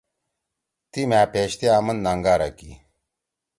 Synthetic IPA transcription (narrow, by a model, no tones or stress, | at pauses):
t̪imaːpeːɕt̪eaːmɐnnaːŋɡaːɾɐkḭ